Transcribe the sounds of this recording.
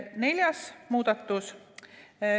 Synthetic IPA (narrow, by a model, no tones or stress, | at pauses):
ne̞lʲjɑsmuːd̪̥ɑt̪ːˑus